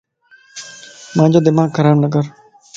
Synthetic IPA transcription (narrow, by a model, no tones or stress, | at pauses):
mãːd͡ʒoːd̪ɪmaːɡkʰəɾaːbnək̬əɾ